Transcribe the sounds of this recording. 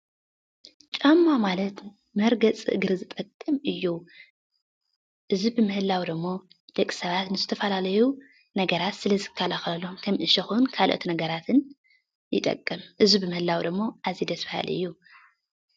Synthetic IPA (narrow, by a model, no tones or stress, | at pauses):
t͡ʃʼamːamalɐt̪ | mɐɾɡɐt͡sʼɨ̰ʔɨɡɨɾɨzɨt̪ʼɐkʼːɨmʔɨjːu | ʔɨzibɨmɨhɨlːawd̪ɨmːo̞ | d̪̥ɐkʼːi̥sɐβat̪nɨzɨt̪ʰɐfɐlalɐju | nɐɡɐɾat̪sɨlɐzɨkʰːalaxlɐlomkʰɐmʔɨʃɐxunkʰalʔo̰t̪nɐɡɐɾat̪ʰɨn | jɪ̰t̪ʼɐ̰kʼːɨmʔɨzibɨmɨhɨlawd̪ɨmːo̞ʔazid̪ɐsfaha̰lɨ̰jːu